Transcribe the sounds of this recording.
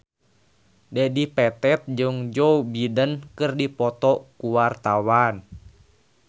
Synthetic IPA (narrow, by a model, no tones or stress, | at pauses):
dɛdipɛt̪ɛt̪̚d͡ʒɨŋd͡ʒɔubidənkɨrdipɔt̪ɔkuwart̪awan